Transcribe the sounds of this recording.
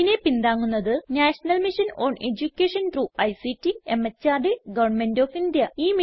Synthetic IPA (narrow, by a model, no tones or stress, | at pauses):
ine̞pind̪aːŋːunːɐðɨnaːʂɐnɐlmiʂɐno̰ːɳe̞d͡ʑukʲːeːʂɐnt̪ruːɐjsitːiemːɐt͡ɕːaːrɖɨɡɐʋɐrɳmendoːfind̪jɐiːm